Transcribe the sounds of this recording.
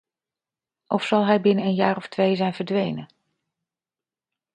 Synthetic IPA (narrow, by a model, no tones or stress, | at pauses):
ʔɔfsɑlˠɦɛjbɪnənənjaːɹɔftʋejzɛjnvəɹdʋejnə